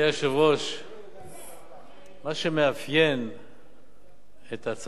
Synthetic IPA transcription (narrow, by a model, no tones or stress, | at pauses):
aʃavoʃ | maʃemeafjen | et̪at͡s